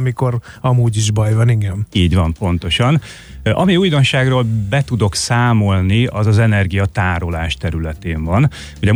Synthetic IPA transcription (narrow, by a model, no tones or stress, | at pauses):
miko̞ɾ | ɒmuːɟiʒbɒjvɒniŋɡɛmiːɟʋɒmpo̞n̪t̪o̞ʃɒn | ɒmiuːjd̪o̞nʃaːɡroːlbɛt̪ud̪o̞ksaːmo̞lniɒzɒzɛnɛrɡijɒt̪aːɾo̞laːʃt̪ɛɾylɛt̪eːɱvɒn | hoɟɒ